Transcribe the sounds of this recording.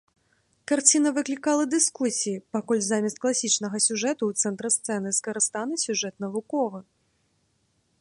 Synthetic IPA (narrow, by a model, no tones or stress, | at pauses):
kart͡sʲinɐvɨklʲikalˠɐd̪ɨskusʲijipakɔlʲzamʲist̪̚klˠasʲit͡ʂnɐɣɐsʲuʐɛt̪uwt̪sɛnt̪ɾɨst̪sɛnɨskɐɾɨst̪anɨsʲuʐɛt̪̚nɐvukɔvɨ